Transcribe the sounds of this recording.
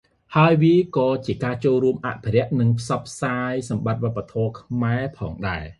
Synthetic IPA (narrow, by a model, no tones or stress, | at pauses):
haəjʋiəkɑːt͡ɕiəkaːt͡ɕoːlruəmʔa̰ʔpʰiɾɛ̆əʔnɨŋpʰsɑpʰsaːjsɑmɓat̪̚ʋŏəpːat̪ʰɔːkʰmaɛpʰɑ̰ːŋɗaɛ